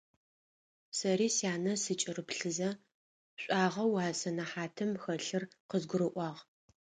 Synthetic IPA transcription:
sɐɾiːsjaːnɐsɨt͡ʃʼɪrɨpɬɨzɐ | ɕʷʼɑːʁɐwaːsɐnɐħaːtʰɨmxɐɬɨrqəzɡʷʊɾɨʔʷɑːʁ

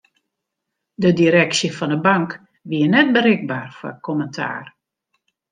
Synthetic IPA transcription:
dədiɾɛksjəfɔndəbaŋk | ʋiənɛt̚bəɾɪɡ̚baːrfɔ̰kʰɔməntʰa̰ːr

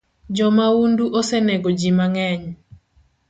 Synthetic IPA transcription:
d͡ʒɔmaunduʔosɛneɡod͡ʒimaŋɛɲ

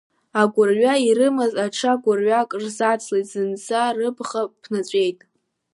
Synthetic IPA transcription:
aɡʷʊrɥaiɾɨmazaʈ͡ʂʰaɡʷʊrɥakʼrzat͡sʰlejtʼz̥ɨnt͡sʰarɨbχapʰnat͡ɕʷʼe̞jtʼ

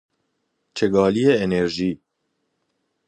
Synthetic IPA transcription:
t͡ʃʰɛɡɑːlijeeneɾʒiː

